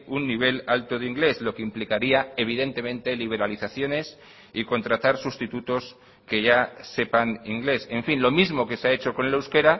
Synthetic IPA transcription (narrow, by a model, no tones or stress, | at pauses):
unːiβ̞e̞lalt̪oð̞iŋɡle̞zlo̞keimplikaɾiaeβ̞iðe̞nt̪e̞mẽ̞nt̪e̞liβ̞e̞ɾaliθaθjo̞ne̞s | iko̞nt̪ɾat̪aɾsust̪it̪ut̪o̞s | ke̞ʝase̞paniŋɡle̞se̞ɱfinlo̞mizmo̞ke̞seae̞t͡ʃo̞ko̞nlewske̞ɾa